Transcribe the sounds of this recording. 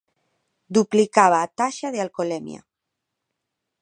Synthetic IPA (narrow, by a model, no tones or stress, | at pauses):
d̪uplikaβaːt̪aʃaðealkolemj̰a̰